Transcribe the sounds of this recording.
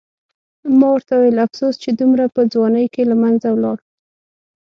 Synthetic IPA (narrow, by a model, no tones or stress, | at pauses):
mɑwəɾt̪awajelafsost͡ʃed̪umɾapəd͡zwɑnəjkelamanzawlɑɽ